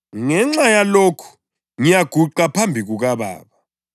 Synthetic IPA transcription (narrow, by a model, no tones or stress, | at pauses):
ŋɛŋ͡ǁajaloːkʰu̥ | ŋijaɡ̥ʱuǃapʰambʱiɣuɣaβa̰ːβa